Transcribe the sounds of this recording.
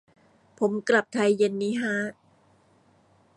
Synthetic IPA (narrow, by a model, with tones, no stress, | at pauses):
pʰo˩˦mkla˨˩p̚t̪ʰa˧jːe˧nːiː˦˥ɦa˦˥